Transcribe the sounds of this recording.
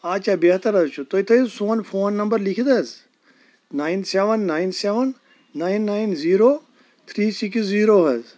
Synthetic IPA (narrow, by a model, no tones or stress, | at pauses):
aːt͡ʃabeɦt̪ɐɾɐzt͡ʃʰut̪oit̪ʰɐsoːnfʰoːnːɐmbəɾlikʰid̪ɐz | naːinseʋənːaːjnseʋɐnː | aːinːaːinziːɾoː | t̪ʰɾiːsiksziːɾoːɦɐz